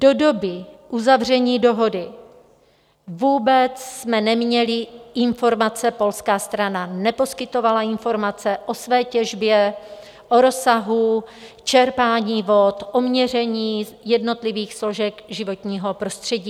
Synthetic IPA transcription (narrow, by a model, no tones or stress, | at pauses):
d̥odo̞bɪʔuzavr̝ɛɲiːdo̞ɦo̞dɪ | vuːbɛt͡ssmɛnɛmɲɛlɪɪnfo̞ɾmat͡sɛpo̞lskaːst̪ɾananɛpo̞skɪt̪o̞valaɪnfo̞ɾmat͡sɛʔo̞svɛːcɛʒbjɛ | ʔo̞ɾo̞saɦu | t͡ʃɛɾpaːɲiːvot̪ʔo̞mɲɛr̝ɛɲiːjɛdno̞t̪lɪviːxslo̞ʒɛkʒɪvo̞t̪ɲiːɦo̞pɾo̞st̪r̝̥ɛɟiː